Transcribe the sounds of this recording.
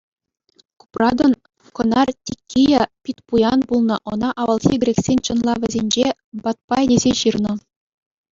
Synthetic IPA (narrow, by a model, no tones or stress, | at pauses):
ku̥prɑd̪ɤ̆n | kŏnɑrtʲikʲːijɑpʲit̪ʲpujɑnbulˠnɤ̆ʔɤ̆nɑʔɑʋɤ̆lˠxʲiɡɾʲeksʲenʲt͡ɕɤ̆nlˠɑʋʲɘ̆zʲenʲd͡ʑe | bɑt̪̚pɑedʲezʲeɕirnɤ̆